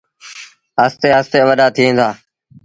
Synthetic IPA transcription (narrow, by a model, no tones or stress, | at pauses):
aːst̪eːaːst̪eːəʋəɗaːt̪ʰiːẽːnd̪aː